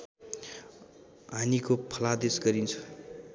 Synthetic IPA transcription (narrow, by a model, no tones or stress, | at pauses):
ɦanikopʰʌlad̪esɡʌɾint͡sʰu̥